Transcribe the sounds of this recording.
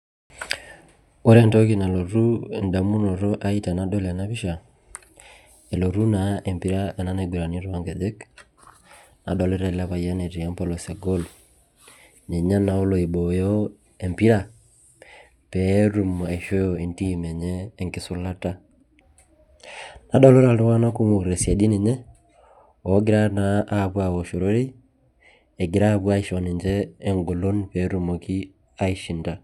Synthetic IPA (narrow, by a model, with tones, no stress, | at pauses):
o˦ɾa˦nto˦ki˨na˨lo˨ɾu˦˨nda˨mu˦no˨ɾo˦ʔa˦i˦ta˨na˦do˦la˨na˦βi˦ʃa˨ | e˨lo˨ɾu˦na˨ʔe˨mpi˦ɾa˦ɛ˨na˦na˦ɡu˨ɾa˨ni˦ɾa˦ŋɡɛ˨ðɛ˦k | na˨dɔ˨le˦ɾɛ˦˨la˦pa˨ija˦ne˨ti˨a˦mpɔ˦lɔ˨se˨ɡo˦l | ɲe˨ɲa˦na˨˦o˦lo˨i˨ɓɔ˨jɔ˦ | e˨mpi˦ɾa˨ | pe˨˦ɾu˨m˨a˨i˨ʃo˦jo˨e˨nti˦mɛ˨ɲɛː˦˨ŋkɪ˨˦sʊ˦la˦ta˦ | na˨˦dɔ˦lo˦ɾa˨le˦wa˦na˦ku˦mo˨ɾe˨sja˨di˦ne˨ɲɛ˦ | o˨˦ɡɪ˦ɾa˦na˦ʔːpwa˨wo˨ʃo˨ɾo˦ɾe˦ | e˨ɡɪ˨ɾa˦˨pwa˦i˨ʃɔ˨ne˨ɲd͡ʒɛː˦ŋɡo˨lo˦npɛ˨˦ɾu˨mo˨ki˦ | a˦i˦ʃi˨nda˨